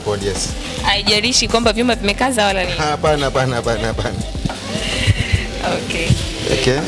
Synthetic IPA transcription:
pɔliɛs | aiʄaɾiʃikwambavjumavimɛkazawalaniapanaapanaapanaapana | ɔkɛ | ɔ̰kɛ

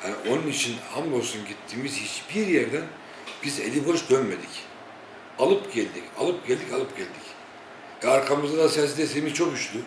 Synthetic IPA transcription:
hanio̞nunit͡ʃʰinhamlolˠsunɟit̪ʰːiːmizhit͡ʃb̥iɾjæɾd̪æn | b̥izḛlʲibo̞ʃd̪ønme̞d̪ic | alˠɯpɟɛlʲd̪ica̰lˠɯp̚ɟɛlʲd̪icalˠɯpɟɛlʲd̪ic | ɛaɾkʰamɯzd̪ad̪asɛsd̪esejimizt͡ʃʰo̞kyʃlʲy

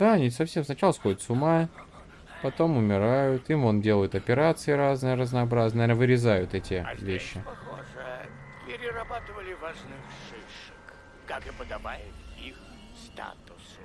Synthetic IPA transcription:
d̪aɐnʲisɐfsʲe̞msnɐt͡ɕalˠəsxo̞dʲɪt̪sʊma | pɐt̪o̞mʊmʲɪɾajʊt̪imondʲe̞lˠəjʊt̪ɐpʲɪɾat̪sɨɪɾaznɨjəɾəznɐɐbɾaznənvʲenəvɨɾʲɪzajʊt̪ɛtʲɪ̰vʲeɕːɪpɐxo̰ʐə | pʲɪɾʲɪrɐbat̪ɨvəlʲɪvaʐnɨxʂejʂɨ̥k | kakɨpəd̪ɐbajɪt̪ix | st̪a̰t̪ʊs

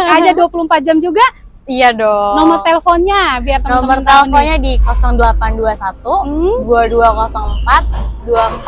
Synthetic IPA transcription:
ad͡ʒaduapulumpat̪̚d͡ʒamd͡ʒuɡa | ijadɔnɔmərt̪elefɔnɲabiart̪anɔmərt̪elefɔnɲadikɔsɔŋdəlapanduasat̪uduaduakɔsɔŋəmpat̪̚duam

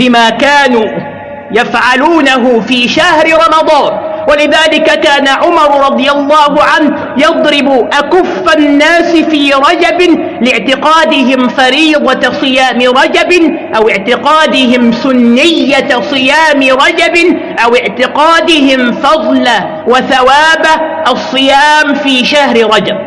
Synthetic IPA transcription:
bɪmaːkaːnuː | jafʕaluːnaɦʊfiːʃahɾɪɾˤɑmɑd̪ˤɑːn | walɪðaːlɪkakaːnaʕʊmɑɾˤʊɾˤɑd̪ˤɨjalˤːɑːhʊʕanh | jɑd̪ˤɾɪbʊʔakʊfːanːaːsɪfiːɾˤɑd͡ʒabɪ | lɪʕt̪ɪqɑːd̪ɪɦɪmfaɾiːd̪ˤɑsˤɨjaːmɪɾˤɑd͡ʒab | ʔawɪʕt̪ɪqɑːd̪ɪɦɪmsʊnːɪjːasˤɨjaːmɪɾˤɑd͡ʒabɪ | ʔawɪʕt̪ɪqɑːd̪ɪhɪmfɑðˤla | waθawaːba | ʔɑsˤːɨjaːmfiːʃahɾɪɾˤɑd͡ʒab̚

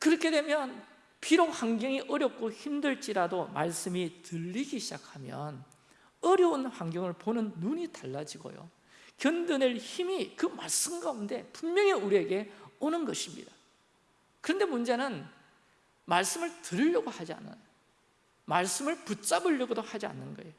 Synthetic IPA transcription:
kɯɾʌkʰe̞dwe̞mjʌn | piɾokhaŋɡjʌŋiʔʌɾjʌk̚k͈oçimdɯɭt͡ɕ͈iɾadoma̰ɭs͈ɯmitɯʎːiɡiɕʰid͡ʑakʰamjʌ̰n | ʌɾjʌunɸaŋɡjʌŋɯɭponɯnːuɲitaɭːad͡ʑiɡo̰jo̰ | kjʌndɯneɭçimikɯmaɭs͈ɯmɡaunde̞punmjʌŋeuɾieɡe̞onɯnɡʌɕʰimɲḭda | kɯɾʌnde̞mund͡ʑe̞nɯn | maɭs͈ɯmɯɭtɯɾiʎːʌɡohad͡ʑia̰nːɯ̰ | maɭs͈ɯmɯɭput͡ɕ͈abɯʎːʌɡodohad͡ʑia̰nːɯnɡʌe̞jo

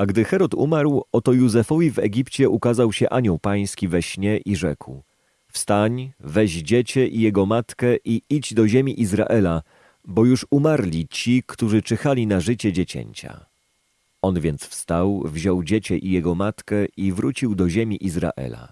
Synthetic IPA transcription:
aɡd̪ɘxɛɾɔt̪ṵmaɾwɔt̪ɔjuzɛfɔvʲivɛɡʲipt͡ɕɛʔukazawɕɛʔaɲɔwpaj̃skʲivɛɕɲɛʔiʐɛkw | fst̪aɲvɛʑd͡ʑet͡ɕɛʔijɛɡɔmat̪kɛʔiid͡ʑd̪ɔʑemʲiʔizɾa̰ʔɛla | bɔjuʂumaɾlʲit͡ɕikt̪uʐɘt͡ʂɛxalʲinaʐɘt͡ɕɛd͡ʑet͡ɕḛɲt͡ɕa̰ | ɔnvʲjɛnt̪sfst̪awvʑɔwd͡ʑet͡ɕɛʔijɛɡɔmat̪kɛivɾut͡ɕiwd̪ɔʑemʲiʔizɾa̰ʔɛ̰la̰

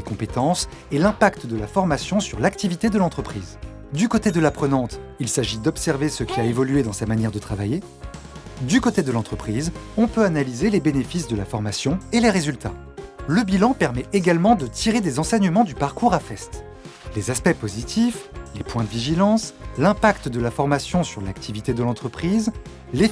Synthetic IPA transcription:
dekɔ̃pet̪ɑ̃s | elɛ̃pakt̪d̪əlafɔʁmasjɔ̃syʁlakt̪ivit̪ed̪əlɑ̃t̪χəpχiːz | d̪ykot̪ed̪əlapχənɑ̃t̪ | ilsaʒid̪ɔpsɛʁvesəkʲiaevɔlɥed̪ɑ̃samanjɛʁd̪ət̪χavaje | d̪ykot̪ed̪əlɑ̃t̪χəpχizɔ̃pøanalizelebenefisd̪əlafɔʁmasjɔ̃eleʁezylt̪a | ləbilɑ̃pɛʁmɛeɡalmɑ̃d̪ət̪iʁed̪ezɑ̃sɛɲəmɑ̃d̪ypaʁkuʁafɛst̪ | lezaspɛpozit̪ʰiflepwɛ̃d̪əviʒilɑ̃slɛ̃pakt̪d̪əlafɔʁmasjɔ̃syʁlakt̪ʰivit̪ed̪əlɑ̃t̪χəpχiz | le

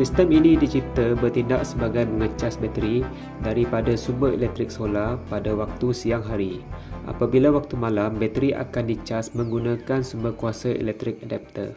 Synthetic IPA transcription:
sist̪əminĩdit͡ʃit̪əbərt̪indaʔsəbaɡajməŋət͡ʃasbɛt̪ɾi | daɾipadasumbərḭlɛk̚t̪ɾɪk̚solapadawak̚t̪usiaŋɦaɾiʔa̰pabilawak̚t̪umãlambɛt̪ɾiʔa̰kandit͡ʃasmə̃ŋɡunãkansumbəkuasaḭlɛk̚t̪ɾɪk̚adɛp̚t̪ə̰r

